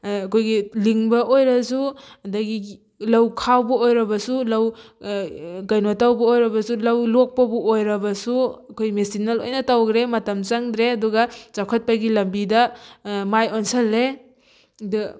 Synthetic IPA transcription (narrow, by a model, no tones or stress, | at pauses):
ɐkʰojɡiliŋbɐʔojɾɐsudɐɡi | lɐwkʰawbɐojɾɐbɐsulɐw | ɡɐjnotawbɐojɾɐbɐsulɐwlok̚pɐbuojɾɐbɐsuɐkʰojmesinɐlo̰jnɐtawɡɾemɐtɐmt͡ʃaŋdɾeɐduɡɐt͡ʃakʰɐt̚paɡilɐmbidɐmajonsɐlːe | d